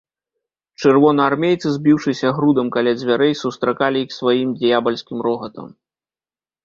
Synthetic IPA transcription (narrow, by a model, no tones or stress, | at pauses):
t͡ʂɨrvɔnɐarmʲejt̪sɨzʲbʲiwʂɨsʲɐɣɾud̪ɐmkalʲad͡zʲvʲaɾɛjsust̪ɾakalʲiixsvajimd̪ʲjabɐlʲsʲkʲimɾɔɣɐt̪ɐ̰m